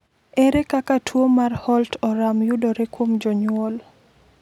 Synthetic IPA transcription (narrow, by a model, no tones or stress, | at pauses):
eɾekakatʰwomarhɔltɔɾamjudoɾekwomd͡ʒɔɲwɔl